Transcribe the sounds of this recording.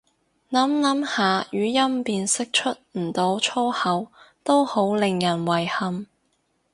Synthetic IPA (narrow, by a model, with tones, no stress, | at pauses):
nɐ˨˥mnɐ˨˥mhaː˨˧jyː˨˥jɐ˥mpiː˧nsɪ˥k̚t͡ʃʰɵ˥t̚m̩˨˩t̪o˨˧wt͡ʃʰɔː˥hɐ˨˥wt̪o˥who˨˥wlɪ˨ŋjɐ˨˩nwɐ˨˩jhɐ˧m